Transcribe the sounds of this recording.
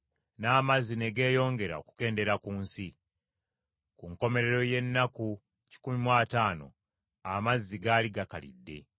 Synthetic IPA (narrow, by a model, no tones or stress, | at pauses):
naːmazːine̞ɡe̞ːjo̞ːŋɡe̞ɾa̰o̞̰ku̥ke̞ːnde̞ɾakuːnsi | kuŋko̞me̞ɾe̞ɾo̞je̞nːaku | ci̥kumimwaːtaːno̞̰ | amazːiɡaːliɡakalḭdːe̞̰